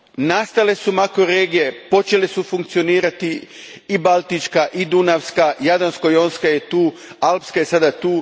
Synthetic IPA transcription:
nast̪ale̞sumakoɾeːɡije̞po̞t͡ʃe̞lesufuŋkt̪sio̞niːɾat̪i | ibalˠt̪it͡ʃkaʔid̪unaʋskajad̪onskojonskajet̪uːalpskaje̞sad̪at̪uː

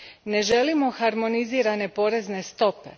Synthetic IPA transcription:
ne̞ʒe̞limo̞xaɾmo̞niziːɾane̞po̞ɾe̞zne̞st̪o̞pe̞̰

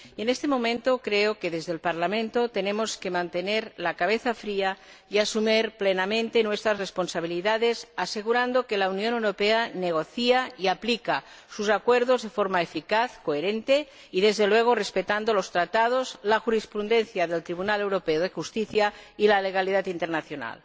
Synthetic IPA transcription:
e̞nest̪emõ̞mẽnt̪okɾeoke̞ðe̞zðelpaɾlamẽ̞nt̪o̞t̪e̞ne̞mo̞ske̞mãnt̪e̞ne̞ɾlakaβ̞eθafɾia | iasumeɾplenamẽnt̪enwe̞st̪ɾazrespo̞nsaβ̞iliðaðe̞sase̞ɣ̞uɾand̪o̞ke̞launjonewɾo̞peane̞ɣ̞o̞θiaiaplika | susakweɾðo̞zðe̞fo̞ɾmaefikaθkoeɾẽnt̪e̞ | iðe̞zðelwe̞ɣ̞orespe̞t̪and̪olost̪ɾat̪að̞ozlaxuɾispɾund̪e̞nθjaðe̞lt̪ɾiβ̞unale̞wɾo̞peoð̞e̞xust̪iθjailaleɣ̞aliðat̪int̪eɾnaθjo̞na̰l

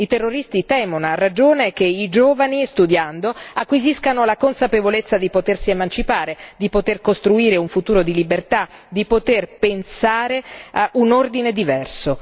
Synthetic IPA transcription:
it̪erːoɾist̪it̪ɛːmonarːad͡ʒoːnekeid͡ʒoːvanist̪ud̪jand̪oakːwiziskanolakonsapevolet̪sːad̪ipot̪ersiemant͡ʃipaːɾed̪ipot̪erkost̪ɾuiːɾeuɱfut̪uːɾod̪ilibert̪ad̪ipot̪erpensaːɾeʔunord̪ined̪ivɛrso

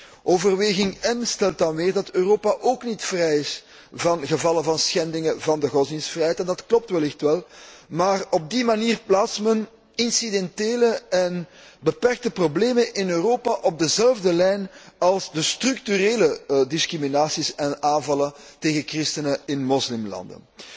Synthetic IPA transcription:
ʔoːvərʋeːɣɪŋɛnstɛlˠtɑnʋeːrdɑtøːroːpaʔoːknitfrɛjɪs | vɑnɣəvɑlˠəvɑnsxɛndɪŋəvɑndəɣɔzɪŋsfrɛjɦɛjtɛndɑtklɔp̚tʋɛlɪxtʋɛlˠmaːrɔb̚dimaniːrplaːtsmən | ɪnsidɛnteːləɛnbəpɛrk̚təprobleːmənʔɪnøːroːpaʔɔb̚dəzɛlˠvdəlɛjnɑlˠzdəstrʏktyreːlədɪskriminaːsisɛnaːnvɑlˠənteːɣəkrɪstənəɪnmɔslɪmlɑ̰ndə̰n

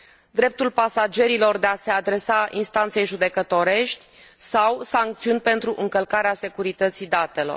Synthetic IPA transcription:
d̪ɾe̞p̚t̪ulpasad͡ʒe̞ɾilo̞rd̪e̞ase̞ad̪ɾe̞sainst̪ant̪se̞jʒud̪e̞kət̪o̞ɾe̞ʃt̪ʲ | sawsaŋk̚t̪siunʲpe̞nt̪ɾuʔɨŋkəlkaɾease̞kuɾit̪ət̪sid̪at̪e̞lo̞̰r

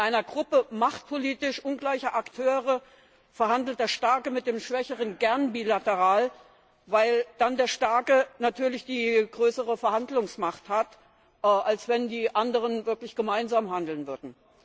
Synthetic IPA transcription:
ʔaɪnɐɡʁʊpəmaχt̚pʰoliːtɪʃʔʊnɡlaɪçɐʔaktʰøːʁə | fɛɐɦandl̩t̚d̥eːɐʃtaɐkəmɪt̚d̥eːmʃv̥ɛçəʁ̞ənɡɛɐnbiːlatəʁaːl | vaɪld̥andeːɐʃtaɐkənatʰyːɐlɪçd̥iːɡ̥ʁøːsəʁəfɛɐhandlʊŋsmaχthat | ʔʔalsv̥ɛndiːʔandəʁ̞ənvɪɐklɪçɡ̥əmaɪnzaːmɦandl̩nvʏɐdn̩

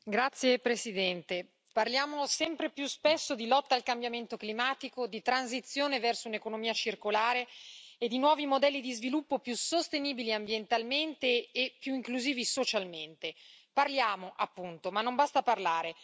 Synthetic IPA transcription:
ɡɾat̪sːjepɾesid̪ɛnt̪e | parljaːmosɛmpɾepjuspesːod̪ilɔt̪ːaːlkambjament̪oklimaːt̪ikod̪it̪ɾanz̬it̪sːjoːnevɛrsounekonomiːat͡ʃirkolaːɾeːd̪ːinwɔːvimod̪ɛlːid̪izvilupːopjusost̪eniːbiliambjent̪alment̪eːpːjuiŋkluziːvisot͡ʃalment̪eparljaːmoʔapːunt̪omanːombast̪aparlaːɾe

